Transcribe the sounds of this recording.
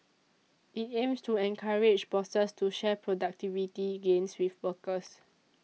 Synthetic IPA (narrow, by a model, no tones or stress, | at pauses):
ʔitẽmstuɛ̃nkʰaɹed͡ʒbɔsəstuʃɛpʰɹodak̚tivitiɡẽnswifwəkəs